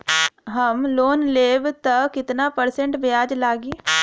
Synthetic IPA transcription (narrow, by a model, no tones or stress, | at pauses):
ɦəmloːnleːbt̪əkɪt̪napəɾsẽɳʈbɪjaːd͡ʒlaːɡiː